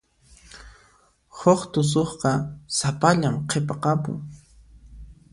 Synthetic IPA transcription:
hoχt̪ʊs̬oχqɑsapaʎamqʰepɑqɑpʊ̰ŋ

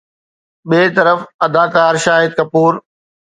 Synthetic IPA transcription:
ɓeːt̪ɐɾəfɐd̪aːkaːɾʃaːɦɪd̪̚kɐpuːɾ

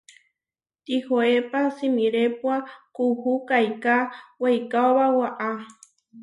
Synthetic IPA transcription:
t̪ihoepasimiɾepwakuhukajkawajkaoβawaʔa

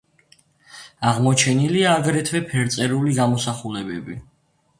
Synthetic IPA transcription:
aʁmɔt͡ʃʰɛniliaːɡɾɛt̪ʰwɛpʰɛɾt̪sʼɛɾuliɡamɔsaχulɛbɛ̰bi

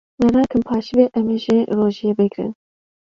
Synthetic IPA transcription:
mɛɾɑːkɨmpʰɑːʃibeʔɛmeʒiroːʒijebɨɡɾɨ̰n

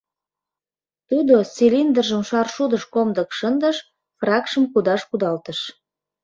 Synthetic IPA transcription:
t̪ud̪osʲilʲind̪ərʒəmʃɑrʃud̪əʃkomd̪ə̆kʃənd̪əʃ | frɑkʃəmkud̪ɑʃkud̪ɑlt̪əʃ

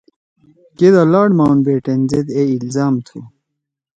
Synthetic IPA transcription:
ked̪alaːɽmaːwnbeːʈend͡ʑed̪eilzaːmt̪ʰu

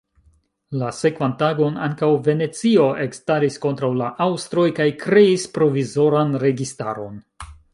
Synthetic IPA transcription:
lase̞kvantaɡo̞na̰ŋkawve̞ne̞t͡sio̞ʔe̞kstaɾisko̞ntɾawlaʔawstɾo̞jkajkɾe̞ispɾo̞vizo̞ɾanɾe̞ɡista̰ɾo̞n

